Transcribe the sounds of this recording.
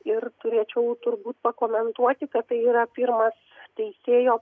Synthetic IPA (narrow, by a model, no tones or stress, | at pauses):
ɪɾt̪ʊɾʲiːt͡ʃʲɛʊt̪ʊɾbuːt̪pɐkoːmʲɛnt̪uɔt̪ʲɪkɐt̪t̪ɐɪiːɾɐpʲɪɾmɐst̪ʲɛɪsʲeːjoː